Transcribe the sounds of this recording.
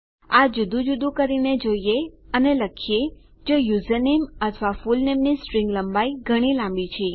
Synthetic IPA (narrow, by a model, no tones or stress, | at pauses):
ad͡ʒud̪ʱũd͡ʒud̪ũkəɾined͡ʒoieəneləkʰije | d͡ʒojuzənemət̪ʰʋafulnemnisʈɾɪ̃ŋɡləmbaiɡʱəɽ̃ilãmbit͡ʃʰe